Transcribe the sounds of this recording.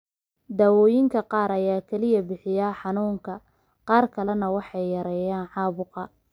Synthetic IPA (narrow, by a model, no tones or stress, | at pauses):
d̪aːwɔːjɪŋkʰɐqɑːɾɐjaːkʰɛlɪjɐbɪħɪjaːħɑnuːŋkʰɐ | qɑːrkʰɐlɐnɐwɑħɑjːɐɾɛːjaːnʕɑːβʊqɑ